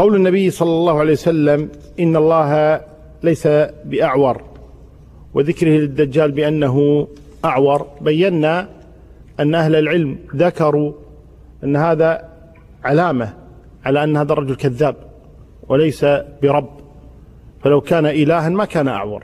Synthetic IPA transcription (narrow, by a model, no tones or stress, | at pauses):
qɑwlɪnːabɪjːsˤɑlːɑlːɑːhʊʕalejwasalːam | ʔɪnːalˤːɑːɦa | lajsabɪʔaʕwɑɾˤ | wɪðɪkɾɪhɪlɪd̪ːad͡ʒːaːlbɪʔanːaɦʊ | ʔaʕwɑɾˤbajːanːa | ʔanːʔahlɪlʕɪlmðakɑɾˤu | ʔanːhaːða | ʕalaːma | ʕalaʔanːhaːðɑrˤːɑd͡ʒʊlkaðːaːb̚ | wɪlajsabɪɾˤɑbː | falawkaːnaʔɪlaːɦanmakaːnaʔa̰ʕwɑ̰ɾˤ